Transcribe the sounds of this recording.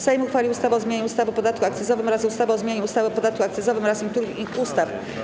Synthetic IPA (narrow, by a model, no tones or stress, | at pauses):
sajmuxfalʲiust̪avɛɔzmjeɲɛust̪avpɔd̪at̪̚kuakt̪sɛsɔvɘmɾazust̪avɛɔzmʲjeɲɛust̪avɛpɔd̪at̪̚kuakt̪sɛs̬ɔvɘmɾasiŋk̚t̪uɾɘxiust̪af